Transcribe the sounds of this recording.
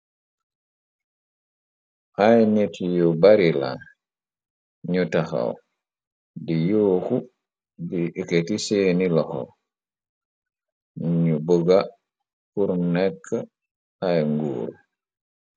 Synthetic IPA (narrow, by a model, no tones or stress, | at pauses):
ʔajnitʰjubaɾila̰ | ɲutaxa̰w | dijoːku | dieketisenilɔxɔ̰ | ɲuboɡa | puɾnɛkʰːa | ajŋɡṵːɾ